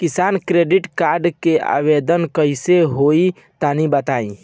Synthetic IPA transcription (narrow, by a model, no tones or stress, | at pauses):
kɪsaːnkɾeːɖɪʈkaːɾɖkea̰ːʋed̪ənkəiseɦoːi | t̪aːnibət̪aːḭ̃